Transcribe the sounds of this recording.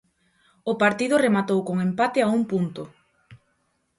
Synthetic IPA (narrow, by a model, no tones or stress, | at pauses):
ʊpaɾt̪iðʊremat̪owkoŋempat̪ɪaumpunt̪ʊ